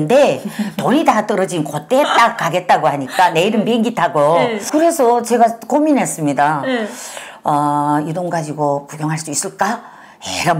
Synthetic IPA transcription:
nde̞toɲitat͈ʌɾʌd͡ʑinkot͈̚et͈ak͈ːaɡe̞t̚t͈aɡoɦaɲik͈ane̞iɾɯnpeŋɡitʰaɡokɯɾe̞sʰʌt͡ɕe̞ɡakominɦes͈ɯmɲida | ʌjidoŋɡad͡ʑiɡopuɡjʌŋɦaɭs͈duis͈ɯɭk͈a | eɾa

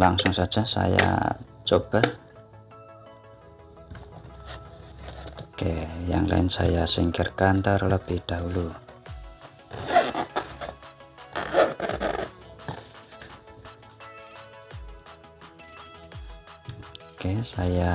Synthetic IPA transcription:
laŋsʊŋsad̥ʒ̥asa̰ja̰ | t͡ʃob̥a | kejaŋla̰ɪnsa̰jasiŋkərkant̪ərləb̥ihd̪̥aɦulu | okesaja

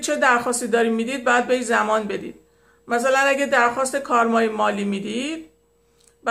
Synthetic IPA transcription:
t͡ʃʰe̞d̪æɾxɒːst̪iːd̪ɒːɾimiːd̪iːd̪̚bɒːjæd̪̚bejzæmɒːnbe̞d̪ḭːd̪̥ | mæsælænæɡæd̪æɾxɒːst̪e̞kʰɒːɾmɒːjemɒːliːmiːd̪iːd̪̥ | b

